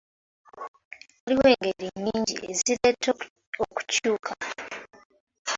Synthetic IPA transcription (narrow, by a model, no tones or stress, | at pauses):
oɾiwe̞ːŋɡeɾiɲiːɲɟḭʔeziɾet | oku̥cuːkʰa